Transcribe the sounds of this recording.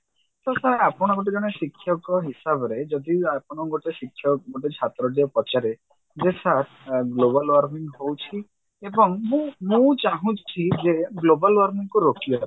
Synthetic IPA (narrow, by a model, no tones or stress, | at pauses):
t̪ʰɔsaapɔɽ̃ɔɡoʈ̬eɡaɽ̃esikʰːjɔkɔɦisabɔɾed͡ʒɔd̪iapɔɽ̃ɔɡoʈesikʰːjɔɡoʈet͡ʃʰat̪ɾɔɖiɔpɔt͡ʃaɾe | d͡ʒesat̪ | ɡlobalwaɾmiŋɡɦowt͡ʃʰi | ebɔŋmũmũt͡ʃaɦũt͡ʃʰid͡ʒeɡlobalwaɾmiŋkuɾokiɔɾ